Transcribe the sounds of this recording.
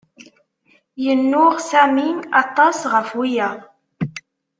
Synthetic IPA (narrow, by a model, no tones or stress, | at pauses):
jənːʊʁsæminɑt̪ˤːɑsʁəfwijæ